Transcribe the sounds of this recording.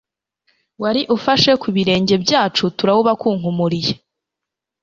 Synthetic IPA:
waɾiʔufaʃe̞kuβiɾe̞ːɲɟe̞bjaːt͡ʃutuɾawuβakuːŋ̥humuɾije

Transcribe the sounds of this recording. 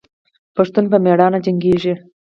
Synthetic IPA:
paʂt̪unpəmeɽɑnad͡ʒaŋɡeʐi

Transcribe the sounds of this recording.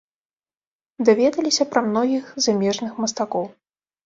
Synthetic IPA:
d̪avʲɛd̪ɐlʲisʲɐpɾɐmn̪ɔɣʲixzamʲɛʐnɨxmɐst̪akɔw

